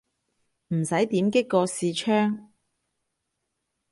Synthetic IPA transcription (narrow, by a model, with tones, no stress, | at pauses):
m̩˨˩sɐ˨˥jt̪iː˨˥mkɪ˥kːɔː˧siː˨˧t͡ʃʰœː˥ŋ